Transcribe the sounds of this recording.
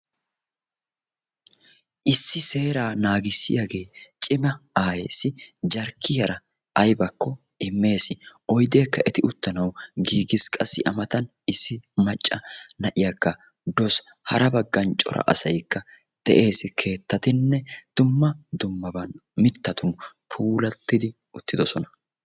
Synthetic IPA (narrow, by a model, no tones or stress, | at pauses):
ʔɪsːɪseːɾaːnaːɡɪsːɪjaɡe̞ː | t͡ʃʼɪmɐ | aːjeːsɪd͡ʒɐɾkʰːɪjɐɾɐ | ʔɐjbɐkʰːɔ | ʔɪmːe̞ːsɪʔɔjd̪e̞ːkːɐʔɛt̪ɪʊt̪ːɐnɐwɡiːɡɪskʼɐsːɪʔɐmɐt̪ɐn | ɪsːɪmɐt͡ʃʼːɐnɐʔɪjɐkːɐ | d̪ɔs | hɐɾɐbɐɡːɐnt͡ʃʼɔ̰ɾɐ̰ʔɐ̰sɐjkːɐ | d̪̥ɛ̰ʔe̞ːsɪkʰe̞ːt̪ːɐt̪ɪnːɛd̪̥ʊmːɐd̪ʊmːɐbɐnmɪt̪ːɐt̪ʊn | pʰuːlɐt̪ːɪd̪ɪ | ʊt̪ːɪd̪ɔsɔnɐ̥